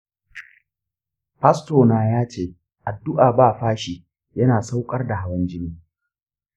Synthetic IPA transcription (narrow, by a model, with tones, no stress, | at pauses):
ɸɐ˦stoː˨naː˨jaː˦t͡ʃeː˦˨ | ʔa˨dːʊ˦ʔaː˨baː˦˨ɸaː˦ʃi˨ | jɐ˦naː˨sa˦wkʼɐ˦rda˨ɦa˦wɐ˦nd͡ʒɪ˦niː˦